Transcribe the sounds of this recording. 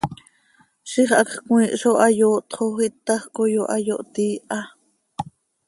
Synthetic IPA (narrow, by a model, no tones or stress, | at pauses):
ʃiχakχkw̃ĩːʔʃoʔajoːʔt̪χoχit̪ːaχkojoʔajoʔt̪iːʔa